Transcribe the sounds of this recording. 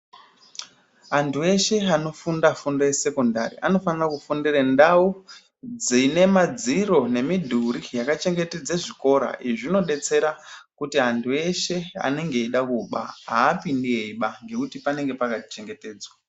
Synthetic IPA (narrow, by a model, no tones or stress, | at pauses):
antʰue̞ʃe̞ano̞fundafundojese̞konda̰ɾḭʔano̞fanirakufundirendau | d͡zine̞mad͡ziro̞ne̞midʱuɾijakat͡ʃe̞ŋɡe̞ted͡zeʐiko̞ɾa̰iʐino̞ɗe̞t͡se̞ɾakutiantʰue̞ʃe̞a̰ne̞ŋɡe̞iɗakuɓa̰ɦaːpindieiɓaŋɡe̞kutipane̞ŋɡe̞pakati̥t͡ʃe̞ŋɡe̞te̞ːd͡zwa